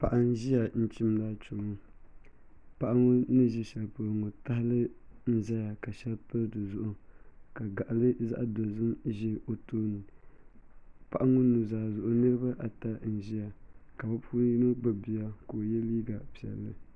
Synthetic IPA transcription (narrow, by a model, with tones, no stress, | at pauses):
pa˨ʔa˨n˦ʒi˦ja˨n̩˦t͡ʃi˦mda˦t͡ʃu˨ŋʊ˦ | pa˨ʔa˦ŋo˦nɨ˦ʒɛ˦ʃɛ˨lpɨ˦ɾŋo˨ta˦hɪ˦lɨ˦n̩˦za˦ja˨ka˨ʃɛ˦lpɨ˦dɨ˨zʊ˨ʔʊ˨ka˨ɡa˨ʔa˨lɨ˦za̰˦ʔdo˨zɨ˦mʒi˦o˨toː˦nɨ˨ | pa˨ʔa˦ŋʊ˦nu˨zaː˨zʊ˨ʔʊ˦nɨ˦ɾɨ˦ba˦ʔa˨ta˦n̩˨ʒi˦ja˨ka˨ba˦pʰu˦i˦no˦bɨ˦bi˨ja˦ko˨jɛ˦liː˦ɡa˨pi˨ɛ˨lːɨ˨